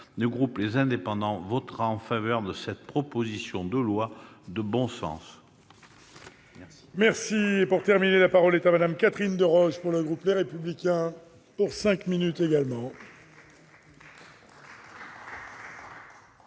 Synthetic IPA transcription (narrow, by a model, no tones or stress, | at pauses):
ləɡʁuplezɛ̃d̪epɑ̃d̪ɑ̃vɔt̪ʁaɑ̃favœʁd̪əsɛt̪pχɔpozisjɔ̃d̪əlwa | d̪əbɔ̃sɑ̰̃s | mɛʁsiepuʁt̪ɛʁminelapaʁɔlɛt̪amad̪amkat̪χind̪əʁɔʒpuʁləɡʁupleʁepyblikʲɛ̃ | puʁsɛ̃kminyt̪eɡalmɑ̃